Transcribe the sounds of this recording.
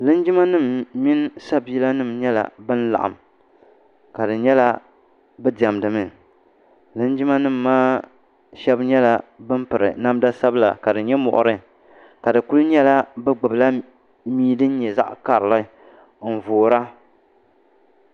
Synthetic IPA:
lɨ˦nd͡ʒi˦ma˦nɨ˦˨mːi˦nsa˦bi˨˦la˦nɨ˦˨mɲɛ˦la̰˨bɨ˦n˦la̰˨ʔa̰˨m | ka˨dɨ˨ɲɛ˦la˦ | bɨ˦da˨mdɨ˨mɨ˨ | lɨ˦nd͡ʒi˦ma˦nɨ˦˨mːaː˦ | ʃɛ˦bɲɛ˦la˨bɨ˦mpɨ˨ɾɨ̰˨na˦mda˦sa˦bla̰˨ka˨dɨ˨ɲɛ˦mɔ̰˨ʔʊ̰˨ɾɨ˦ | ka˨dɨ˨ku˦lɲɛ˦la˦bɨ˦ɡ͡bɨ˨bla˦ | miː˦dɨ˦n̩˦ɲɛ˨za̰˦ʔka˨ɾɨ˨la˦ | n̩˨voː˨ɾa˦

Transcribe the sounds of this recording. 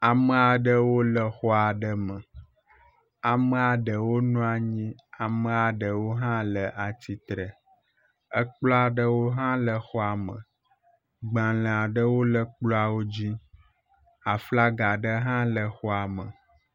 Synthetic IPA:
a˨mə˨a˨ɖə˦wo˦lə˨xɔ˦a˨ɖə˦mə˨ | a˨mə˦a˨ɖə˨wo˦nũ˦a˨ɲĩ˦a˨mə̃˨a˨ɖə˨wo˦ɦã˦lə˨ʔa˨t̪i˦t̪ɾə˨ | ə˦k͡plɔ˦a˨ɖə˦wo˦ɦã˦lə˨xɔ˦a˨mə̰̃˨ | ɡ͡bã˨lə̃˨a˨ɖə˦wo˦lə˦k͡plɔ˦a˨wo˦d͡ʑi˦ | a˨fla˦ɡa˨ɖə˦ɦã˦lə˨xɔ˦a˨mə̰˨

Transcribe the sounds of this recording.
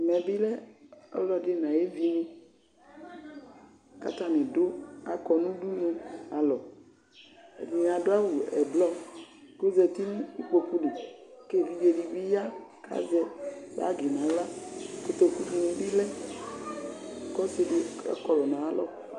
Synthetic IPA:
mɛ̃˨bi˦lɛ˦ɔ̰˦lɔ˨˦ɖe˦nã˨je˦vi˨nĩ˦ | ka̰˦t̪a˦mɛ̃˨do˦a̰˨kɔ˨nũ˦ɖu˦ɲũ˦a˨lɔ˨ | vĩ˨n˨a˨ɖo˦a˦wu˨ɛ˨blɔ˦ | ko˦zɛ˨t̪i˦nũ˦i˦k͡po˨ku˦le˨ke˦˨vi˨be˨ɖi˨vi˦ja˦ka̰˨zɛ˦v̰a̰˦ɡi˨nã˨la˦ko˦t̪o˦ku˦t̪u˨nĩ˨bi˦lɛ˦˨ | kɔ˦se˨˦de˦a̰˦kɔ˨lɔ˨nã˨a˦lɔ˦˨

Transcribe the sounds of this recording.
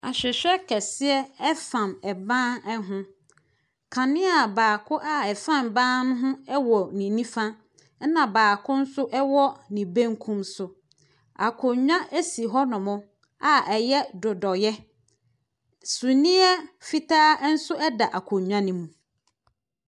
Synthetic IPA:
a˨ɕᶣɪ˨ɕᶣɛ˦kʰɛ˨sɪ˦ɛ˦ɛ˦fã˨mɛ˨bãː˦nɛ˦ɦʊ̃˦ | kʰã˨nɪ̃˦a˨baː˨kʰʊ˦ʔa˦ɛ˨fã˦˨mbãː˦nʊ̃˦ɦʊ̃˦ɛ˦wɔ˨nĩ˨nĩ˦fã˦ | nã˨baː˨kʰʊ̃˦n̩˦sʊ˦ʔɛ˦wɔ˦nĩ˨bẽ˦ŋkʰũ˦msʊ˨ | a̰˨kʰʊ˨ɲᶣã˦ʔe˦si˨ɦɔ˦nʊ̃˨mʊ̃˦ | a˨ʔɛ˨jɛ˦dʊ˨dɔ˨jɛ˦ | sũ˨nĩ˦ɛ˦fi˦tʰaː˦n̩˦sʊ˦ɛ˦da˨ʔa˨kʰʊ˨ɲᶣã˦nĩ˦mũ˨

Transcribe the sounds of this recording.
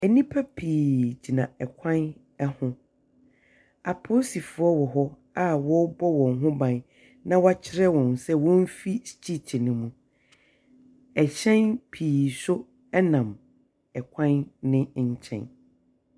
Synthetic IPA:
ɛ˨nĩ˦pʰa˦pʰiː˨d͡ʑi˨nã˨ɛ˨kʷʰã˦n | ɛ˦hʊ̃˦ | a˨pʰo˦si˨fʊ˨˦ɔ˦wɔ˨ɦɔ˦ | a˦wɔ˦bɔ˦wɔ̃˨ŋɦʊ̃˦bã˨n | nã˦wa˦t͡ɕʰɪ˦ɾɛ˦wɔ̃˨nsɛ˦wɔ̃˦m˦fi˦st͡ɕʰi˦t͡ɕʰi˨nɪ̃˦mũ˨ | ɛ˨ɕɛ̃˦npʰiː˨sʊ˦ | ɛ˦nã˨m | ɛ˨kʷʰã˦nːɪ̃˦ɲ̩˦t͡ɕʰɛ̰̃˦˨n

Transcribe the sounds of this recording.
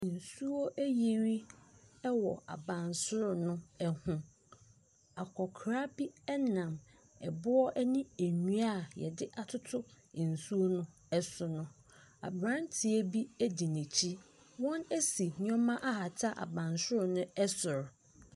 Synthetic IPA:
n̩˨su˦o˦ʔæ˦ji˨ɾi˦ɛ˦wɔ˨a̰˨bã˨nsʊ˦ɾʊ˨nʊ̃˦ɛ˨hʊ̃˦ | a˨kʰɔ˨kʰɾa˦bi˦ɛ˦nã˨m | ɛ˨bʊ˦ɔ˦ʔɛ˦nĩ˦æ˨nũ˦a˦˨jɛ̰˨dɪ˦ʔa˨tʰʊ˦tʰʊ˦˨ | n̩˨su˦o˦nʊ̃˦ | ɛ˦sʊ˨nʊ̃˦ | a̰˨bɾã˦n˦tʰɪ˨e˦bi˦æ˦di˨nĩ˨t͡ɕʰi˦ | wɔ̃˦næ˦si˨ɲ˦ɔ̃˦mã˦ʔa˦ha˨tʰa˦ʔa̰˨bã˨nsʊ˦ɾʊ˨nʊ̃˦ɛ˦sʊ˨ɾ

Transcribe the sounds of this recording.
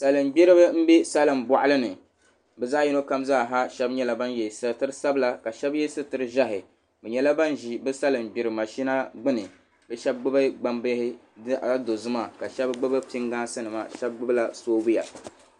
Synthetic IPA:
sa˨lɨ˨mbi˦ɾɨ˦bɨ˦m̩˦bɛ˦sa˦lɨ˨mbɔ˨ʔa˦lɨ˦nɨ˨ | bɛ˨zaː˦ji˦no˦ka˦mzaː˦˨ɦa˦ʃɛ˦bɲɛ˦la˨ba˦njɛ˨sɨ˨tɨ˦ɾɨ˦sa˦bla˦ka˨ʃɛ˦bjɛ˦sɨ˦tɨ˨ɾɨ˦ʒa˦ɦɪ˨ | bɨ˨ɲɛ˦la˦ba˦nʒi˨bɨ˦sa˦lɨ˨mbi˨ɾɨ˨ma˨ʃi˦na˦ɡ͡bɨ˦nɨ˨ | bɛ˦ʃɛ˦b̚ɡ͡bɨ˦bɨ˦ɡ͡ba˦mbɨ˦hɪ˦ | do˨zɨ˦ma˦˨ka˨ʃɛ˦bɡ͡bɨ˦bɨ˦pi˦ŋɡaː˦sɨ˦nɨ˨ma̰˨ʃɛ˦b̚ɡ͡bɨ˦bɨ˦la˨soː˦bʊ˦ja̰˨

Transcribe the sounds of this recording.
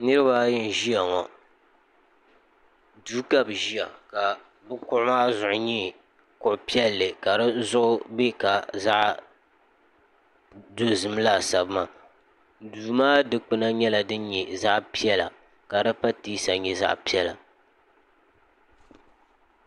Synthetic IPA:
nɨ˦ɾɨ˦ba˦jɪ˦n˨ʒi˦ja˨ŋɔ˨ | duː˦ka˦bʒi˦a̰˨ka˨ | bʊ˦kʊ˦ʔʊ˦maː˦zʊ˨ʔʊ˨ɲɛ˦ | kʊ˨ʔʊ˨pi˦ɛ˦lːɨ˨ka˨ɾɨ˦zʊ˦ʔʊ˦be˦ka˨za˦ʔ | do˦zɨ˨m˦la˦˨sa˨bɨ˦ma˨ | duː˨maː˦dɨ˦k͡pɨ˦na˦ɲɛ˦la˨dɨ˦ɲɛ˨za˦ʔpi˦ɛ˦la˨ | ka˨dɨ˦pa˦tiː˦sa˨ɲɛ˨za̰˦ʔpi˦ɛ˦la˨

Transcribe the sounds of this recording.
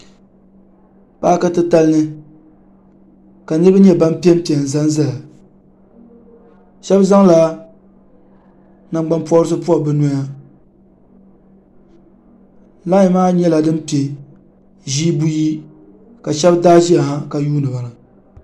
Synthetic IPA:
paː˦ka˦tɨ˦ta˦lnɨ˦ | ka˨nɨ˦bɨ˦ɲɛ˦ba˦m˦pi˦ɛ˦m˦pi˨ɛ˨n̩˨za˦n˦zɛ˦la˨ | ʃɛ˦bza˦ŋla˦ | na˨ŋ͡mɡ͡ba˦npɔ˦ɾɨ˦sɨ˦pu˦a˨bɨ˦no˨˦ja˦ | la˦ɲ˨maː˦ɲɛ˦la˨dɨ˦mpi˨e˨ | ʒiː˦bu˦ji˦ | ka˨ʃɛ˦bdaː˦ʒi˦a˨a˦ka˨juː˦nɨ˨ba˨la˨

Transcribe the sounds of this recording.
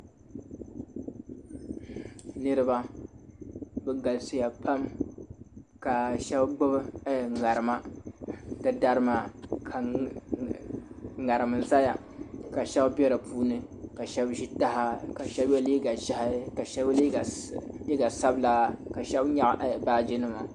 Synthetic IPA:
nɨ˦ɾɨ˦ba˦ | bɛ˨ɡa˨lso˨ja˨pʰa˦m | ka˨ʃɛ˦bɡ͡bʊ˦bɨ˦ŋa˨ɾɨ˨ma˦ | dɨ˦da˦ɾɨ˦ma˨kʰa˨ | ŋa˨ɾɨ˨mɨ˨za˦ja̰˨ | ka˨ʃɛ˦bbʲɛ˦ɾɨ˨puː˦nɨ˦ka˨ʃɛ˦bʒi˦ta˦ha˦ka˨ʃɛ˦bjɛ˦liː˦ɡa˨ʃhka˨ʃɛ˦bli˦˨li˦ɡa˨sa˦bla˨˦ka˨ʃɛ˦bɲa˦ʔʔbaː˦d͡ʒi˦nɨ˦ma˨

